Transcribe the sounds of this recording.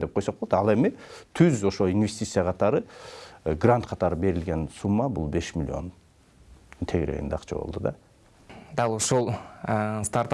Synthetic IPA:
d̪e̞p̚qʰo̞jsoqbolˠo̥d̪ɑlˠe̞mit̪ʰyzo̞ʃoinvʲe̞sʲt̪ʲit̪sɨjɑʁʰɑt̪ɑɾɯ | ɡrant̪qʰɑt̪ɑɾɯbe̞ɾilɡe̞nsumːɑbṵlˠbe̞ʃmʲɪlʲio̞̰n | t̪ʰe̞ɡɾe̞̰ɡḭd̪eɑqt͡ʃʰɑbo̰lˠd̪ud̪ɑ̰ | d̪ɑlˠoʃolˠ | st̪aɾt̪

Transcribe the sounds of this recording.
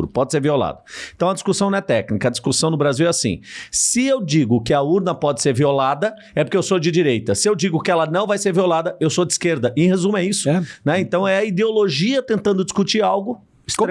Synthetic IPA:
ɾʊpɔd͡ʒɪseɾviola̰d̪ɐẽt̪ɐ̃w̃ɐd͡ʒiskusɐ̃wnɐ̃ɛt̪ɛknikɐːd͡ʒi̥skusɐ̃w̃nʊbɾaziwɛasḭ̃sɪewd͡ʒiɡʊkɪɐuɾnɐpɔd͡ʒɪ̥seɾviolad̪ɐ | ɛpʊɾkeewsod͡ʒɪd͡ʒiɾejt̪ɐsɪewd͡ʒiɡʊkɪɛlɐnɐ̃w̃vajseɾviolad̪ɐewsod͡ʒɪiskeɾd̪ɐʔɪ̃hezũmɛisʊnɛẽnt̪ɐ̃w̃ɛɐid̪eoloʒiɐt̪ẽnt̪ɐ̃nd̪ʊd͡ʒiskut͡ʃiɾawɡʊ | s

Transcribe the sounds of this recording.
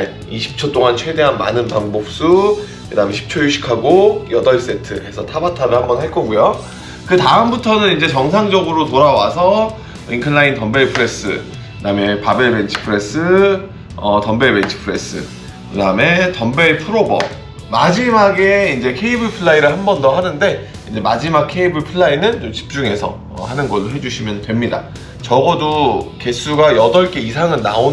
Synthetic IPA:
e | iɕʰi̥p̚t͡ɕʰot͈oŋant͡ɕʰwe̞de̞ɦanma̰nɯnpaŋbok̚s͈u | kɯdameɕʰi̥p̚t͡ɕʰojuɕʰi̥kʰaɡojʌdʌɭs͈e̞tʰɯ̰e̞sʰʌtʰabatʰaɾɯɭhambʌnɦaɭk͈ʌɡujo | kɯtaɯmbutʰʌnɯnind͡ʑe̞t͡ɕʌŋsʰaŋd͡ʑʌɡɯɾotoɾawasʰʌ | inkʰɯnːaintʌmbe̞ɭpʰɯɾe̞s͈ɯ̰ | kɯdame̞pabeɭbent͡ɕʰi̥pʰɯɾe̞s͈ɯ | ʌtʌmbe̞ɭbent͡ɕʰɯ̥pʰɯɾe̞s͈ɯ̰ | kɯdaɯme̞tʌmbe̞ɭpʰɯɾobʌ̰ | mad͡ʑimaɡe̞ind͡ʑe̞kʰe̞ibɯɭpʰɯɭːaiɾɯɭhambʌndʌɦanɯnde̞ | ind͡ʑe̞mad͡ʑimak̚kʰe̞ibɯɭpʰɯɭːainɯnt͡ɕomt͡ɕi̥p̚t͡ɕ͈uŋe̞sʰʌ̰ | hanɯnɡʌɭːoɦe̞d͡ʑuɕʰimjʌndwe̞mɲida̰ | t͡ɕʌɡʌdoke̞s͈ʰuɡajʌdʌɭk͈e̞isʰaŋɯnna̰o

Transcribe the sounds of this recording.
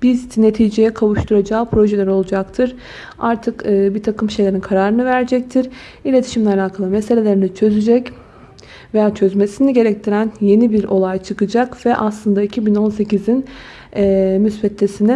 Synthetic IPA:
b̥izne̞t̪ʰiːd͡ʒejɛkʰavuʃt̪ʰuɾad͡ʒaːpʰɾo̞ʒed̪ɛɾo̞lˠud͡ʒakt̪ʰɯɾ̥ | aɾt̪ʰɯkɯːbit̪ʰakɯmʃe̞jlʲe̞ɾinkʰaɾaːɾɯnɯvæɾd͡ʒɛc̚t̪ʰiɾ | ilʲe̞t̪ʰi̥ʃimlʲɛalʲaːkʰalˠɯmɛse̞lʲe̞lʲeɾinit͡ʃʰø̞zyd͡ʒɛc | vejaːt͡ʃʰøzme̞siniɟe̞ɾɛc̚t̪ʰiɾænje̞nibiɾo̞lˠajt͡ʃʰɯkɯd͡ʒakvɛʔaslˠɯnd̪aicʰibino̞nse̞cizin | ɛːmysbɛt̪lʲesinɛ

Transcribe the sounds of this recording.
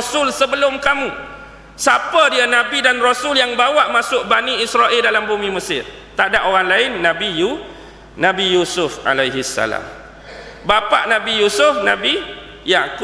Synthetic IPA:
sʊlsəbəlʊmkamũ | sapədianãbidanrosʊljaŋbawaʔmasʊʔ̚baniisɾaʔɪldalambumĩməsɪr | t̪adaʔoɣaŋlaɪnːãbiju | nãbijusʊfa̰lajɦisːa̰la̰m | bapaʔnãbijusʊfnãbi | jak

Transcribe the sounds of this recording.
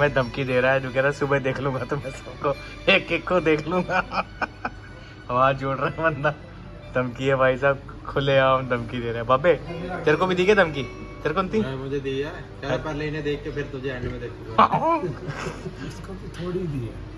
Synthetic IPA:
mɛ̃ːd̪ʱɐmkid̪eːɾaɦɛd͡ʒoːkɛɾaɦɛsʊbəd̪eːkʰlũːɡat̪omɛ̃sɐb̚ko | eːkːekːod̪eːkʰlũɡa | hɐʋaːd͡ʒoːɽɾɐɦɛʋɐnd̪a | d̪̥ʱɐmkiɦɛbʱaːisaːb̚ | kʰʊleaːnd̪ʱɐmkid̪eːɾaɦɛbaːbet͡ʃɐɾkobʱid̪iːɡed̪ʱɐmki | t͡ʃɐɾkont̪ĩmʊd͡ʒʱed̪iːd͡ʒa | kɐpɐɾlened̪eːkʰːepʰɪɾt̪ʊd͡ʒʱeaːnmẽd̪eːkʰu | ɪskot̪t̪ʰoːɽid̪iɛː

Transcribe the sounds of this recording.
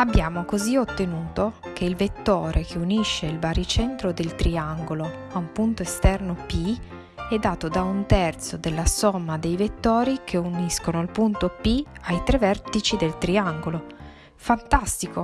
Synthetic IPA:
abːjaːmokoziot̪ːenuːt̪ok̟ʰeilvet̪ːoːɾʔekʰeuniʃːeilbaɾit͡ʃɛnt̪ɾod̪elt̪ɾiaŋɡolo | aumpunt̪oest̪ɛrnopi | ɛd̪ːaːt̪od̪aunt̪ɛrt̪sod̪elːasɔmːad̪ejvet̪ːɔːɾikʰeuniskonoilpunt̪opiajt̪ɾevɛrt̪it͡ʃid̪elt̪ɾiaŋɡolo | fant̪ast̪iko

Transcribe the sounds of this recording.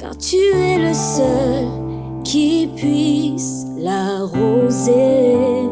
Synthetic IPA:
ka̰ʁt̪ʰyɛləsœll | kʲʰipɥis | laʁoze

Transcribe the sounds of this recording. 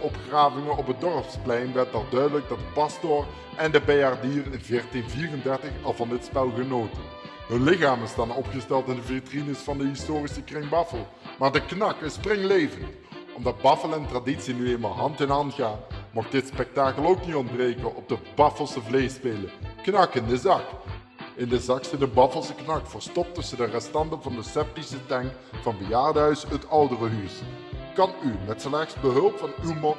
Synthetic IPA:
ɔpxraːvɪŋəɔpədɔrpsplɛjnʋɛrtɑlˠdœɥdələɡ̚dɑd̚dəpɑstɔr | ɛndəbejardiːrɪnvɪːrtinviːrəndɛrtəxɑlˠvɑndətspɛlˠɣənoːtə | ɦənlɪxaːmɪsdɑnɔpχəstɛlˠtɪndəvetrinəsfɑndəɦɪstoːrisəkrɪŋbɑfəlˠ | maːɹdəknɑkɪsprɪŋlejvənt | ɔmdɑd̚bɑfəlˠɛntraditsinyejnmaːlˠɦɑntɪnɑntɣaːnmɔx̚d̥ɪtspɛk̚taːkəlˠowknitɔndbrejkəʔɔb̚dəbɑfəlˠsəvlejspeːləknɑkɪndəzɑk | ɪndəzɑksədəbɑfəlˠsəknɑkfəɹstɔp̚tɵsədərɛstɑndəvɑndəsɛp̚tisətɛŋk | fɑnbəjaːrdəɦœɥsətʌwdərəɦys | kɑnymɛtslɛxsbəɦɵlˠpfɑnywmɔ

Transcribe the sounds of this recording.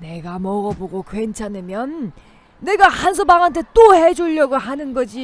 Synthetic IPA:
ne̞ɡamʌɡʌboɡokwent͡ɕʰanɯmjʌnː | e̞ɡahansʰʌbaŋɦantʰe̞t͈ohe̞d͡ʑuʎːʌɡoɦanɯnɡʌd͡ʑi

